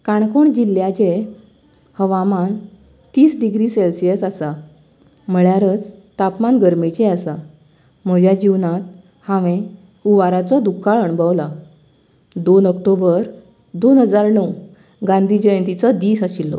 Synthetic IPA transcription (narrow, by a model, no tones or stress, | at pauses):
kaɳ̃koɳd͡ʑilːjat͡ɕe | həʋaman | t̪iːsɖiɡɾiːselsijəsasa | m̤əɭjaɾət͡st̪apmanɡəɾmit͡ɕeasa | m̤əd͡ʑjad͡ʑiʋnãt̪̚ | hãʋẽ | uʋaɾat͡sɔd̪ukːaɭəɳbəwla | d̪onəkʈobəɾ | d̪onɦəd͡zaɾɳəw | ɡãnd̪ʱid͡ʑəjənt̪it͡sɔd̪iːsaɕilːɔ̰